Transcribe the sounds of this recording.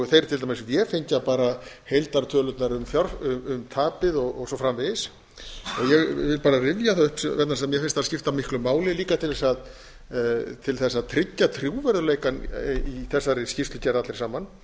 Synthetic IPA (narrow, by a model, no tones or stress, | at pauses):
θejɾt̪ʰɪlamɛsvjɛfejɲcapaːɾa | hejlt̪aɾt̪ʰœːlʏt̪naɾʏmfjaɾʏʏmt̪ʰaːpɪðɔɣɔsɔfɾamvɪðs | ɔɣjɛɣvɪlpaːɾarɪvjaθaʏhpsvɛt̪nasmjɛfɪnst̪ascɪft̪amɪhklʏmaːwlɪliːkat̪ʰɪlvɛsað | t̪ʰɪlθɛsːaðt̪ʰɾɪcːat̪ʰɾjuːvɛɾðʏleːjkaniθɛsːaɾɪscɪft̪lʏcɛɾðat̪lɪɾsaːman